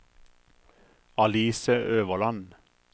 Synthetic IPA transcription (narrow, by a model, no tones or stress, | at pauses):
ɑliːsəʔøːʋəʁlɑn